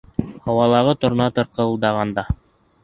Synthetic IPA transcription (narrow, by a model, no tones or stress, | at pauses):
hɑwɑlˠɑʁɤt̪ŏɾnɑt̪ɤ̆ɾqɤ̆lˠd̪ɑʁɑnd̪ɑ